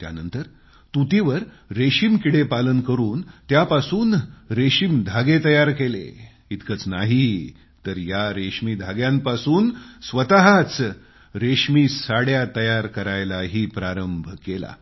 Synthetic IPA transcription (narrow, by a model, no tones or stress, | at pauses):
t̪ja̰nənt̪əɾ | t̪ut̪iʋəɾ | ɾeɕimkiɽepalənkəɾuːnt̪japasuːnɾeɕimd̪ʱaɡet̪əjaɾkelḛ | it̪kət͡snaɦi | t̪əɾjaɾeʂmiːd̪ʱaɡjãmpasuːnsʋət̪aɦat͡s | ɾeʂmiːsaɽjat̪əjaɾkəɾajlaɦiːpɾaɾəmbʱkela̰